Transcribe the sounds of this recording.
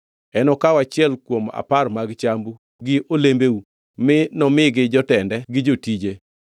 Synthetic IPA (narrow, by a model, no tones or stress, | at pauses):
ɛnɔkawat͡ʃɪɛlkwoma̰parmaɡt͡ʃambu | ɡɪʔolembeu | mɪnɔmɪɡɪd͡ʒɔtɛndɛɡɪd͡ʒotid͡ʒe